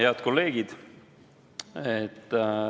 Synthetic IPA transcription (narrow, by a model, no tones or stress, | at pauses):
heɑd̪̥̚ko̞lːe̞ːɡ̥id̪̥ | et̪ˑː